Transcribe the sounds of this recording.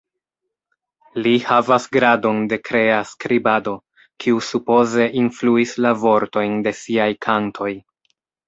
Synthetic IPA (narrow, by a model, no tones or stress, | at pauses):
lihavasɡɾado̞nde̞kɾe̞askɾibado̞ | kʰiusupo̞ze̞ʔinfluislavo̞ɾto̞jnde̞siajkʰantʰo̞j